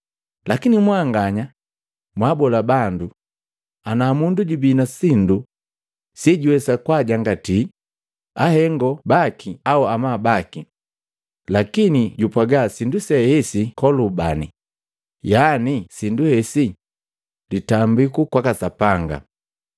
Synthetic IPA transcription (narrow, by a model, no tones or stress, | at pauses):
lakinimwaŋɡaɲa | mwabɔlabandu | anaːmunduɟubinasindu | siɟuwɛsakwaɟaŋɡati | ahɛŋɡɔbakʰiauamabaki | lakiniɟupaɡasindusɛhɛsikɔlubani | janisinduhɛsi | litambikukwakasapaŋɡa̰